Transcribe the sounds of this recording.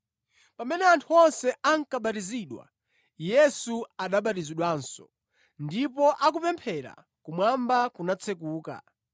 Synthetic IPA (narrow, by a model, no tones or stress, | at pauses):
pamɛnɛantʰuɔnsɛaŋ̩kaɓatiziɗwa̰ | jɛsuaɗaɓatiziɗwaːnsɔ̰ | ndipɔʔak̬upɛmpʰɛɾa̰ | kumwambakunat͡sʰɛkuːka̰